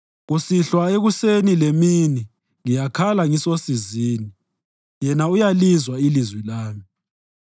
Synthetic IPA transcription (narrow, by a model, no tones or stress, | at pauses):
ɣusiɬwaeɣusenilemini | ŋijakʰalaŋisosiziːni | jɛnaujalizwailizwilaːmi